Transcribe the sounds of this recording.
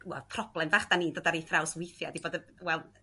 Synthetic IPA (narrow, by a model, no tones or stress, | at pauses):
wɛ̰lˠpʰrɔb̥lɛmvaχd̥aniːndoɔːdaɾiθrawswɪjθjɔdiboːdəwɛlˠ